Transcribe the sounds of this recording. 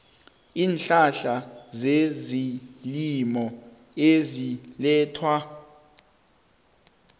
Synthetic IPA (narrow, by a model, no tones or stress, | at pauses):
iːnɬaɬazezilimɔ | ezilɛːtʰwa